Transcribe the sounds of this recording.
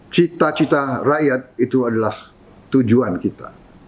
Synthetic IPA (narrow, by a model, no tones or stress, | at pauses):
t͡ʃit̪at͡ʃit̪arajat̪̚it̪uadalah | t̪ud͡ʒuankit̪a̰